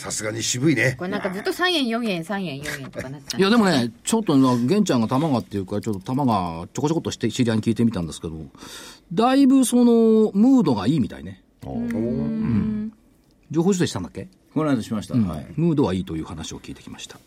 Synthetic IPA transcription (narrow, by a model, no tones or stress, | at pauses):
sasɨɡaɲiɕibɯ̟ineknãŋkazɨt̪ːosãɰ̃jẽjõɰ̃jẽɰ̃sãɰ̃jẽɰ̃jõɰ̃jẽnt̪okanat̪ːijad̪emo̞net͡ɕo̞t̪ːonaɡẽ̞ɲ̟t͡ɕãŋɡat̪amaɡat̪ːe̞jɯ̟ːkat͡ɕo̞t̪ːot̪amaɡat͡ɕoko̞t͡ɕo̞kot̪ːoɕi̥t̪eɕiɾʲiaɲ̟ikʲiːt̪e̞mit̪ãnd̪esɨ̥ke̞d̪o̞d̪aibɯ̟so̞no̞mɯ̟ːd̪o̞ɡaiːmʲit̪a̰ḭnḛ | ɯ̃ɴ | d͡ʑo̞ːɦoːɕos̬eɕi̥t̪and̪akːe̞ | konaɕimaɕi̥t̪aɯ̟̃aimɯ̟ːd̪o̞βaiːt̪o̞jɯ̟ːhanaɕio̞̰kʲiːt̪e̞kʲi̥maɕi̥t̪ʰḁ